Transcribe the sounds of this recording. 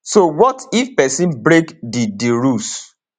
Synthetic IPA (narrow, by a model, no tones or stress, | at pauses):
sowɔtifpɛsĩnbɾekdidiɹus